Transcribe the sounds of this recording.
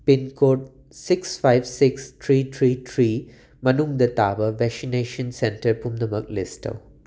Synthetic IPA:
pɪnkoːʈ̚ | sɪksfaɪʋsɪkst̪ʰɾiːt̪ʰɾiːt̪ʰɾiː | mɐnuŋd̪ɐt̪aːʋɐʋɛsineːʃə̃nsɛ̃nʈəɾpumd̪əməklɪsʈɐ̰w

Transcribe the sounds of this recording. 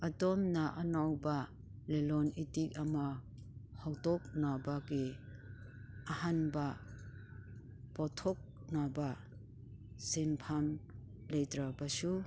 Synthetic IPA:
atɔmnaʔanawba | lelɔnitik̚ama | hawtɔk̚nabaɡe | ahanba | pɔtʰɔk̚ | naba | senpʰam | lejtɾabasu

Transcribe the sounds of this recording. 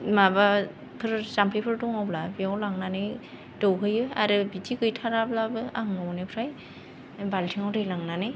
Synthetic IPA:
maba | pʰɯɾsampʰepʰɯɾtɔŋawblabiawlaŋnanɯj | dɯwɦɯjɯaɾɯbitikɯjtʰaɾablabɯaŋnɔwnɯpʰɾaj | baltʰiŋawdɯjlaŋnanɯj

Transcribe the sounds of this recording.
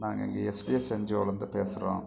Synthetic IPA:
naːŋɡɐ̰ŋɡɐesɖijeseɲd͡ʒoːlɐnd̪ɯpeːsɪrõ̰ː

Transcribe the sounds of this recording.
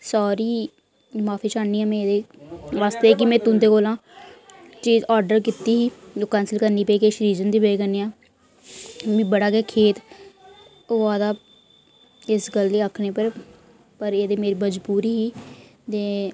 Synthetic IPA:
saːɾiː | maːfʰiːt͡ʃaːnːiːaːmɛ̃ːeːd̪eːʋaːst̪eːk̬ɪmɛ̃ːt̪ʊ̃ːnd̪eːkoːlãː | t͡ʃiːd͡ʒaːɾɖəɾkɪt̪ːiːɦiːoːkaːnsəlkəɾniːpəiːkeːɪsɾiːzənd̪iːbeːkəneːaː | mĩːbəɽaːɡɛːkʰeːt̪ | oːaːd̪aː | ɪsɡəleːəkʰneːpəɾ | pəɾeːd̪eːmeːɾiːbəd͡ʒpuːɾiːɦiːt̪eː

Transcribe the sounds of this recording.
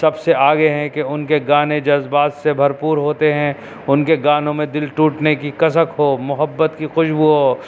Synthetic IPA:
sɐbseʔaːɡeɦɛ̃keʊnkeɡaːned͡ʒɐzbaːt̪sebʱɐɾpuːɾɦoːt̪eɦɛ̃ | ʊnkeɡaːnõmẽd̪ɪlʈuːʈnekikɐsəkɦoːmʊɦəbːət̪kixʊʃbuɦoː

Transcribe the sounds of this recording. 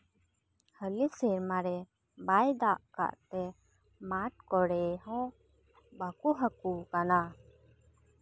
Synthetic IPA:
həliseɾmaɾɛ | bajd̪aʔka̰ʔt̪ɛ | maʈkɔɽɛɦɔ̃ | bakuɦəkukana

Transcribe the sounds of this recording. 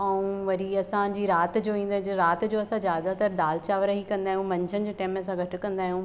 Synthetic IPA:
ɐũʋɐɾiɐsãd͡ʑiːɾaːt̪d͡ʑoːĩːn̆d̪ad͡ʑɾaːt̪d͡ʑoːɐsãzjaːd̪at̪ɐɾd̪aːlt͡ɕaːʋəɾaɦikɐ̃nd̪aːɦijũmɐ̃ɲd͡ʑʰʱənɪd͡ʑeːʈɛːmɐs̬ãɡʱɐʈɪ̆kɐ̃nd̪aːɦijũ

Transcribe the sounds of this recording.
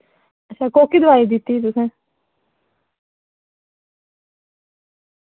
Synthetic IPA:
əãːkoːkiːd̪əʋaːiːd̪ɪt̪ːiːt̪̬ʊsẽː

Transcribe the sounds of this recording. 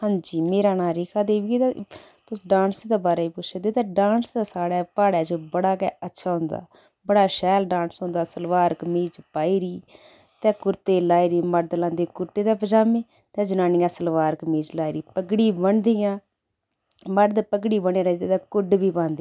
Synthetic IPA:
hãːɲd͡ʒiːmeːɾaːnaːɾɪkʰaːd̪eːʋiːt̪ɛ | t̪ʊsɖãːnsed̪aːbaːɾaːiːpʊʃʰed̪eːt̪ɛ̃ːɖãːnsd̪aːsaːɽɛːpaːɽɛːt͡ʃbəɽaːkɛːətːʃʰaːɦʊ̃nd̪a̰ː | bəɽaːʃɛːlɖãːnsɦʊ̃ːnd̪aːsəlʋaːɾkmiːt͡ʃpaːiːɾiː | t̪ɛ̃ːkʊɾt̪eːlaːiːɾiːməɖd̪əlãːnd̪eːkʊɾt̪eːt̪ɛːpəd͡ʒaːmẽː | t̪ɛ̃ːd͡ʒənaːniːjãːsəlʋaːɾkmiːt͡ʃlaːiːɾiːpəkɽiːbəɳd̪iːjãː | məɖd̪pəkɽiːbəɳẽːɾəd̪eːt̪ɛ̃ːkʊɖbiːpãːnd̪e

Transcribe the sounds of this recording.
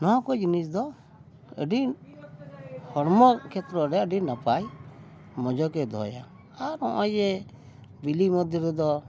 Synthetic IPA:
nɔɔ̃kɔd͡ʒinisd̪ɔ | ə̰ɖi | hɔɽmɔkʰɛt̪ɾɔɾɛəɖinapaj | mɔd͡ʒɔkɛd̪ʱɔ̰ja̰ | aɾɔ̰̃ʔɔjɛ | bilimɔd̪ʱjɔɾɛd̪ɔ

